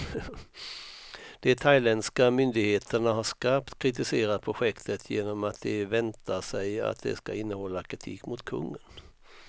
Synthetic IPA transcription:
d̪̥ɛt̪ʰajlɛnskamʏnd̪ɪɡheːt̪ʰəɳaɦaʂkapt̪kʰɾɪt̪ɪseːɾad̪̚pʰɾʊɧɛkt̪ʰət̪ʰjeːnɔmat̪̚d̪ɛvɛnt̪aʂɛja̰t̪̚d̪ɛ̰ska̰ɪnːəhɔlːakʰɾɪt̪ʰḭːkːmʊt̪kʰɵ̰ŋːən

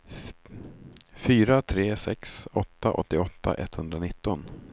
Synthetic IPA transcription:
fyːɾat̪ʰɾeːsɛ̰ksɔt̪ːaʔɔt̪ːɪɔt̪ːa̰ʔɛt̪ːhɵnd̪ɾanɪt̪ːɔn

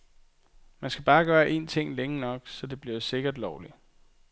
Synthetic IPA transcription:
mænsɡ̥æb̥ɑ̈ːɡ̥ɶːɐʔe̝̰ːnt͡sʰe̝ŋ̰leŋənɒ̽ɡ̥sɒ̽d̥e̝b̥liɐse̝ɡ̥ɐd̥lɒʊli

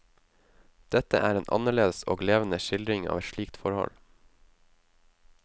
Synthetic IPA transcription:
d̪̥ɛt̪əʔæːɾeːnʔɑ̰nəɭeːd̪əso̰ːɡleːʋən̩əʃɪld̪ɾɪŋɑ̰ːʋɛt̪ʃɭiːkt̪fɔɾhɔ̰l

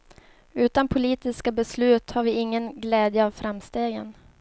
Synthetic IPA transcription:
ʉ̟ːt̪anpʰʊliːt̪ɪskabɛslʉ̟ːt̪haɾvɪɪŋːənɡlɛːd̪jəavfɾamst̪eːɡə̰n

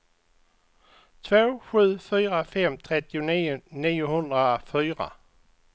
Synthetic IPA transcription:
t̪ʰvoːɧʉ̟ːfyːʁafemt̪ʰʁɛt̪ɪʊniːʊhɵnd̪ʁafyːʁa̰

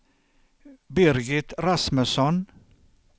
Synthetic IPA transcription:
bɪɾɡɪt̪ɾasməsɔn

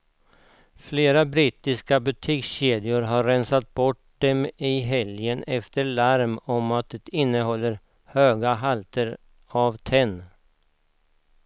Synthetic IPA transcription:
fleːɾabɾɪːt̪ɪskabɵt̪ʰiːksɕeːd̪ɪʊɾɦaɾːɛnsat̪̚bɔʈ | d̪ɛmɪɦɛljənɛft̪əɭaɾmɔmat̪̚d̪ɛt̪ɪnːəɦɔlːəɾ | høːɡaɦalt̪əɾ | avt̪ʰɛnː

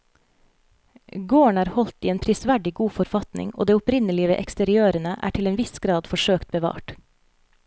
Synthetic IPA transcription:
ɡoːəɳæːɾhɔlt̪iːeːnpʰɾɪsʋæɖɪɡuːfɔɾfɑt̪nɪ̰ŋo̰ːd̪eːʊpɾɪnəlɪəʋḛːʔɛkst̪əɾɪøːɾənəʔæ̰ːʈʰɪleːnʋɪsɡ̥ɾɑːd̪fɔʃøːkt̪̚bəʋɑ̰ːʈ

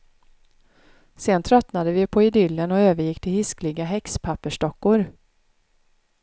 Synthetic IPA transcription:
seːnt̪ʰɾœt̪nad̪əvɪpʰɔɪd̪ʏlːənɔøːvəɾjɪkːt̪ʰɪlhɪsklɪɡaɦɛkspʰapːəʂʈɔkːʊɾ

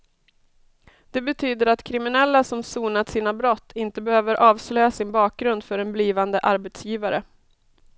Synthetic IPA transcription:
d̪̥ɛbɛt̪ʰyːd̪əɾat̪kʰɾɪmɪnɛlːasɔmsuːnat̪siːnabɾɔt̪ʰːɪnt̪əbɛhøːvəɾʔɑːvslœjasɪnbɑːk̚ɡɾɵnd̪fœɾɛnbliːvand̪əʔaɾbɛt̪sjiːvaɾə

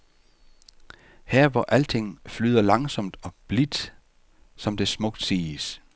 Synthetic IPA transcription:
heɐ̰ʋɒʔæl̰t͡sʰe̝ŋ̰flyːðˠɐlɑ̈ŋsɒ̽md̥ɒ̽b̥lid̥ | sɒ̽md̥e̝smɔ̽ɡ̥̚d̥siːs

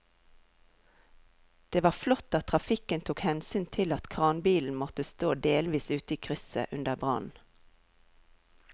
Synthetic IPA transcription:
d̪̥eːʋɑːflɔt̪ɑt̪ʰʁɑfɪkənt̪ʰuːkhɛnsyːnt̪ʰɪlɑt̪kʰʁɑːnbiːln̩mɔt̪əst̪oːd̪eːlʋiːsʉːt̪əiːkʰʁʏsə̰ʔʉnd̪əʁbʁɑ̰nn̩

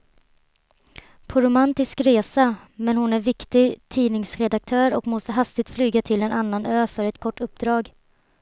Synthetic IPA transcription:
pʰɔɾʊmant̪ɪskɾeːsa | mɛnhʊnæɾvɪkt̪ɪt̪ʰiːnɪŋsɾɛd̪ak̚t̪ʰœːɾɔkmɔst̪əɦast̪ɪɡ̚t̪flyːɡat̪ʰɪlɛnʔanːanøːfœɾɛt̪kʰɔʈːɵp̚d̪ɾɑːɡ

